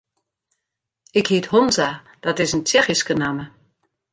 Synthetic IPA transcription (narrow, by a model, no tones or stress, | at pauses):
ɪkhiəthonza | d̥ɔtɪzəntɛxiskənamə